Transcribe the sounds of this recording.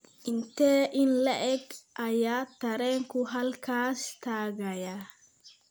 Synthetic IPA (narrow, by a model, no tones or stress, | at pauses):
ʔɪnt̪ːɛʔɪnlɐʔɛkɐjaːt̪ːɐɾɛːŋkʊɦɐlkaːst̪aːɡɐja